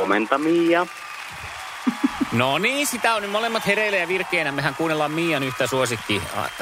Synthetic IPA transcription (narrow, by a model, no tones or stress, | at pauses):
oment̪ɑmiːjɑ | noniːnsit̪æonymolemːɑt̪herelːæjjɑʋirkˑeːnæmmehæŋkuːnːelːɑmmiːjɑnyht̪æsuosit̪ːḭ